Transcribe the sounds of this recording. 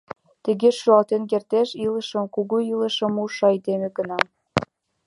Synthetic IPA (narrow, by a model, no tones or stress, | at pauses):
t̪əɣeʃuɑlt̪enk̬ert̪eʃiləʃə̆mkuɣuilˠə̆ʃə̆muʃɑid̪emeɡə̆nɑm